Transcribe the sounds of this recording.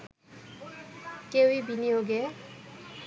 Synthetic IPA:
kewibinioɡɛ

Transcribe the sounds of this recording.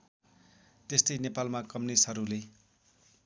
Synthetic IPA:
t̪est̪ʌjnepalmakʌmnisɦʌɾule

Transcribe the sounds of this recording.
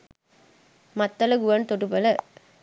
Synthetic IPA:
mɐt̪ːɐlɐɡuʋɐnt̪oʈupɐlɐ

